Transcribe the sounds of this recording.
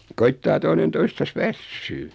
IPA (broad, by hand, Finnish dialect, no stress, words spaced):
koitːɑː toinen toistɑs ʋæsːyː